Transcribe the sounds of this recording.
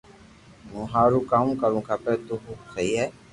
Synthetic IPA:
mũːɦaːɾuːkãːkəɾũːkaːpeːt̪uːɦusʰəiːɦɛː

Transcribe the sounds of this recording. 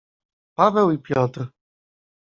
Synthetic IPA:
pavɛwipʲjɔt̪ɾ

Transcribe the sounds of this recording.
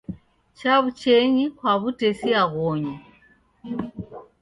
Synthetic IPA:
t͡ʃaβut͡ʃɛɲikwaβutɛsiaɣɔɲu

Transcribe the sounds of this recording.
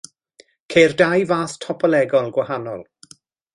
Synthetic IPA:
kʰejrdajvaːθtʰɔpʰɔlɛɡɔlˠɡwahanɔlˠ

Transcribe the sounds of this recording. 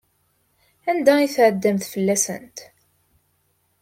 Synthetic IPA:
ænd̪æiθʕəd̪ːæmθfəlːæsə̰nt̪

